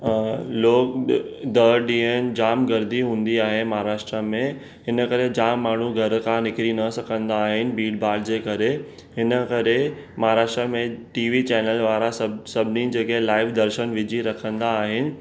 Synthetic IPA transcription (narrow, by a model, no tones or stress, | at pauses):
loːkd̪ɐɗĩːən̆d͡ʑaːmɡɐɾd̪iɦũːn̆d̪iaːɦemaɦaɾaːʃʈɾəmẽ | ɦɪnə̆kɐɾed͡ʑaːmːaːɳ̤uɡʱɐɾkʰãnɪkɾinɐsɐkʰə̃nd̪aːɦɪnɪ̆biːɖbaːɖd͡ʑeːkɐɾe | ɦɪnəkɐɾemaɦaɾaːʃʈɾəmẽʈiːʋit͡ɕɛːnəlʋaːɾassɐbʱɪnid͡ʑeːkeɦlaːɪʋd̪ɐɾʃənʋɪd͡ʑʱiɾɐkʰə̃nd̪aːɦɪnɪ̆